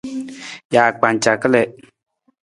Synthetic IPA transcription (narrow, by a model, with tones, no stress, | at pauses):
jaː˨k͡pa˨n˨t͡ʃa˨kə˦lɛ˨